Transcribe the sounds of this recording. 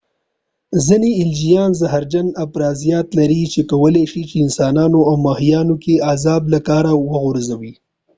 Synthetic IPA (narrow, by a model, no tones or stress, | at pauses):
ziniɪld͡ʒijɑːnzaɦaɾd͡ʒanapɾɑːzijɑt̪laɾit͡ʃekawəleʃit͡ʃeɪnsɑːnɑnoawmɑhijɑnokeazɑːblakɑɾawəɣʊɾzawi